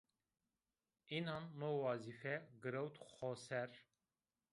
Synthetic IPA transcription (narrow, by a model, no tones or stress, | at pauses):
inanːowɑzifɛɡɨɾɛwt̪xɔsɛɾ